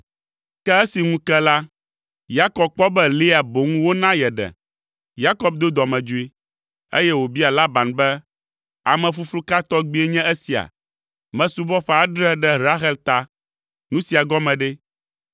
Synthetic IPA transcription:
kɛ˦e˦si˨ŋũ˦kɛ˦la˦ | ja˦kɔ˨b̚k͡pɔ˦bɛ˦li˦a˨bo˨ŋũ˦wo˦nã˦jɛ˨ɖɛ̰˨ | ja˦kɔ˦b̚d̪o˦d̪ɔ˨mɛ̃˨d͡ʒu˦i˦ | ḛ˦jɛ˦wo˨bi˦a˨la˦ba˨nbɛ˦ | a̰˨mɛ̃˨fu˦flu˦ka˦t̪ɔ˦ɡ͡bi˦e˦ɲɛ̃˦e˦si˨a̰˨ | mɛ̃˨su˦bɔ˦ɸɛ˦a˨˦ɖɾɛ˦ɖɛ˦ɾa˦ɦɛ˦lt̪a˦ | nũ˦si˨a˨ɡɔ˦mɛ̃˨ɖɛ˦

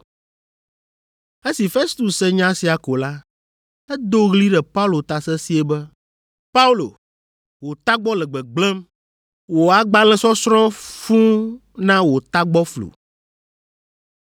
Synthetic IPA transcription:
e˦si˨fe˦st̪u˨sɛ˦ɲã˦si˨a˨ko˨la˦ | ɛ˦d̪o˦ɣli˦ɖɛ˨pa˦u˦lo˨t̪a˨sɛ˦si˦ɛ˦bɛ˦ | pa˦u˦lo̰˨ | wo˨t̪a˦ɡ͡bɔ˦lɛ˨ɡ͡bɛ˨ɡ͡blɛ˦m | wo˨a˨ɡ͡ba˦lɛ̃˦sɔ˦sɾ̃ɔ̃˦fũ˦nã˦wo˨t̪a˦ɡ͡bɔ˦flṵ˨

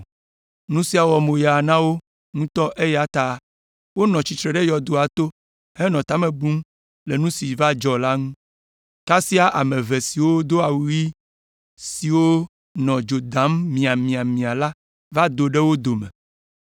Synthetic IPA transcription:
nũ˦si˦a˨wɔ˨mo˨ja˨nã˦wo˦ | ŋũ˦t̪ɔ˦ʔe˦jɛ˦a˨t̪a˦˨ | wo˦nɔ̃˨t͡ʃi˨t̪ɾe˨ɖe˦jɔ˨d̪o˦a˨t̪o˦ | he˦nɔ̃˨t̪a˦mẽ˨bu˦m | le˨nũ˦si˨va˦d͡ʒɔ˨la˦ŋũ˦ | ka˦si˦a˦ʔa˨mẽ˨ve˨si˨wo˦d̪o˦a˨wu˦i˦ | si˨wo˦ | nɔ̃˨d͡ʒo˨d̪ã˨˦mːĩ˨a˨mĩ˨a˨mĩ˨a˨la˦ | va˦d̪o˨ɖe˦wo˦d̪o˨mɛ̃˨

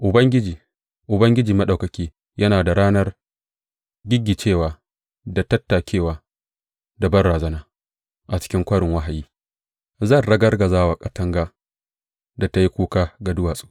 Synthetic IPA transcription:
ʔʊ˨bɐ˦ŋɡʲɪ˦d͡ʒiː˨ | ʔʊ˨bɐ˦ŋɡʲɪ˦d͡ʒiː˨mɐ˦ɗa˨wkɐ˨kʲiː˦ | jʔɐ˦naː˨da˨ɽaː˦nɐ˦r | ɡʲɪ˦ɡʲːi˨t͡ʃeː˦˨waː˨ | da˨tɐ˦tːaː˨kʲeː˦˨waː˨ | da˨bɐ˦rɽaː˨zɐ˦naː˦ | ʔa˨t͡ʃɪ̥˦kʲɪ˦ŋkʷɐ˦ɽɪ˨ŋwɐ˦ɦa˨jiː˦ | zɐ˦˨nɽɐ˦ɡɐ˦rɡɐ˨zaː˦waː˨kʼɐ˦tɐ˦ŋɡaː˦ | da˨ta˦ji˦kʷuː˦kaː˦ɡa˨dʊ˦waː˨sʼu̥ː˦

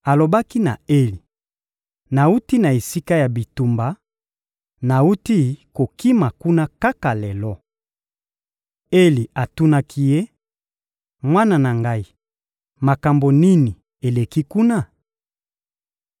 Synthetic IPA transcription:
a˨lo˨ba˦ki˦na˨e˦li˨ | na˨u˦ti˦na˨e˨si˦ka˦ja˨bi˨tu˨mba˨ | na˨u˦ti˦ko˨ki˦ma˨ku˦na˦ka˦ka˨lɛ˨lɔ˦ | e˦li˨a˨tu˦na˦kʰi˦je˦ | mwa˦na˦na˨ŋɡa˦i˦ | ma˨ka˨mbo˨ni˦ni˨ | e˨le˨ki˦ku˦na˦˨

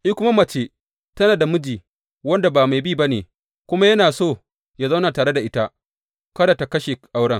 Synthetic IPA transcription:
ʔi˦kʷʊ˦ma˦mɐ˨t͡ʃeː˦ | tɐ˦naː˨da˨mʊ˦d͡ʒiː˨ | wɐ˦nda˨baː˨ma˨jbiː˦˨ba˦nḛː˨ | kʷʊ˦ma˦jɐ˦naː˨soː˦˨ | jaː˦za˦wna˨taː˨ɽe˦da˨ʔɪ˦ta˦ | kɐ˦da˨ta˨kɐ˦ʃe˨ʔa˦wɽɐ˦ŋ

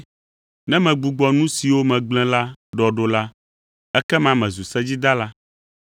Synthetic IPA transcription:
nɛ̃˦mɛ̃˨ɡ͡bu˨ɡ͡bɔ˨nũ˦si˨wo˦mɛ̃˨ɡ͡blɛ̃˦la˦ɖɔ˨ɖo˨la˦ | ɛ˦kɛ˦mã˨mɛ̃˨zu˨sɛ˦d͡ʑi˦d̪a˦la˦

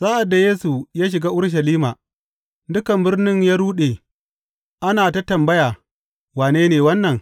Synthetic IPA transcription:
saː˦ʔa˨dːa˨jeː˦su˨jaː˦ʃ̬ɪ˨ɡaː˦ʔʊ˦ɽʃ̬ɐ˨liː˦maː˨ | dʊ˦kɐ˨mbɪ˦rnɪ˦ɲjaː˦ɽuː˦ɗeː˨ | ʔa˦naː˨ta˦tɐ˨mbɐ˦jaː˨ | waː˨neː˦neː˨wɐ˦nːɐ˨ŋ

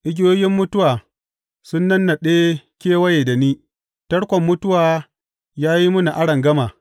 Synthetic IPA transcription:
ʔɪ˦ɡʲɪ˦joː˦jʲɪ˦mːʊ˦tʊ˦waː˨ | sʊ˦nːɐ˦nːa˨ɗeː˦kʲeː˦wɐ˦je˨da˨niː˦ | tɐ˦ɽkʷɔ˨mːʊ˦tʊ˦waː˨ | jaː˦ji˦mʊ˦na˨ʔa˦ɽɐ˨ŋɡɐ˦maː˨

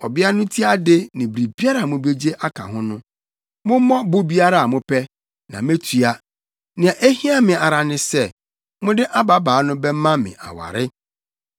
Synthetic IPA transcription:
ɔ˨bɪ˦a˦nʊ̃˦tʰi˦a˦dɪ˦nɪ̃˨bɾi˨bi˦a˦ɾa˨mʊ̃˨be˦d͡ʑe˦ʔa˦kʰa̰˨ɦʊ̃˦nʊ̃˦ | mʊ̃˦mɔ̃˦bʊ˦bi˦a˦ɾa˨a˨mʊ̃˦pʰɛ˦ | nã̰˨me˦tʰu˨a˦ | nɪ̃˨a˨ʔe˦hi˦a˦mɪ̃˨a˨ɾa˨nɪ̃˦sɛ˦˨ | mʊ̃˦dɪ˦ʔa˦ba˨baː˨˦nʊ̃˦bɛ˦mã˦mɪ̰̃˨ʔa̰˨wa̰˨ɾɪ˦

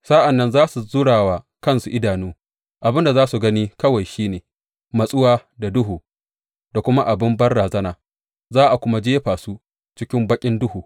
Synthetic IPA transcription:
saː˦ʔa˨nːɐ˦nzaː˦su˨zʊ˦ɽaː˨waː˨ | kɐ˦nsu˨ʔɪ˦daː˨nuː˦ | ʔa˨bɪ˦nda˨zaː˦su˨ɡɐ˦niː˦kɐ˦wa˨jʃiː˦neː˨ | mɐ˨sʼʊ˦waː˦da˨dʊ˦ɦuː˨ | da˨kʷʊ˦ma˦ʔa˨bɪ˦mbɐ˦rɽaː˨zɐ˦naː˨ | zaː˦ʔa˨kʷʊ˦ma˦d͡ʒeː˦ɸaː˨su˦ | t͡ʃɪ˦kʲɪ˦mbɐ˦kʲʼɪ˦ndʊ˦huː˨

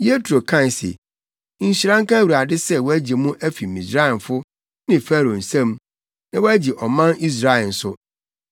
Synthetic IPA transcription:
je˦tʰɾo˨kʰã˦˨n˨sḛ˨ | n̩˨ɕi˨ɾã˦ŋ˦kʰã˦wu˨ɾa˨dɪ˦sɛ˦wɔ˦æ˦d͡ʑe˨mũ˦ʔæ˦fi˨mĩ˨sɾa˦ɪ˨n˨fʊ˦ | nɪ̃˨fæ˦ɾo˨n̩˨sɛ̃˦m | nã˦wɔ˦æ˦d͡ʑi˨ʔɔ˨mã˦ni˦s̬ɾa˦ɛ˨n̩˨sʊ˦

